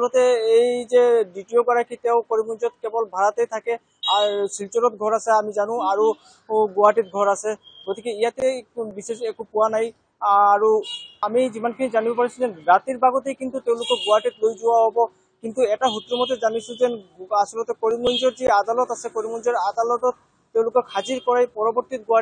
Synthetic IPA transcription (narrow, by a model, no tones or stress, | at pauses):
asɔlɔt̪eejzeɖiʈioɡɔɾakʰit̪eʊkoɾimund͡ʒɔt̪̚kebɔlbʱaɾat̪ejt̪ʰake | asilt͡ʃɔɾɔt̪̚ɡʱɔɾaseamid͡ʒanũaɹu | ɡoaʈit̪̚ɡʱɔɾaseɡɔt̪ikeijat̪ebisesekupuwanaj | aɹuamid͡ʑimankʰinid͡ʒanibɔpaɾisʰud͡ʒenɾat̪iɾbaɡɔt̪ejkint̪ut̪eʊ̃lokɔɡoaʈiʈlojd͡ʒowaɦɔbɔ | kint̪uɛʈaɦut̪ɾɔmɔt̪ed͡ʒanisʰud͡ʒenasɔlɔt̪ekoɾimɔnd͡ʒɔɾd͡ʒiad̪alɔt̪asekoɾimɔnd͡ʒɔɾad̪alɔtɔt̪ː | ew̃lokɔkʰad͡ʒiɾkɔɾajpɔɾɔbɔɾt̪it̪̚ɡoa